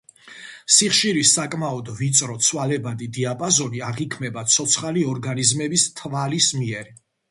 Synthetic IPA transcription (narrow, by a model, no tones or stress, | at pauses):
siχʃiɾisakʼmaɔd̪vit̪sʼɾɔt̪sʰwalɛbad̪id̪iapʼazɔniaʁikʰmɛbat̪sʰɔt̪sʰχaliɔɾɡanizmɛbist̪ʰvalismiɛɾ